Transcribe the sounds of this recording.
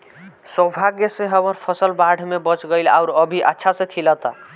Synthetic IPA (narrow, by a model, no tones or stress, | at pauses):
səbʱaɡjəsẽɦəməɾpʰəsəlbaɽ̤ʱmebət͡ʃɡəjla̰ʊɾəbʱiʔətːʃʰasẽkʰilət̪a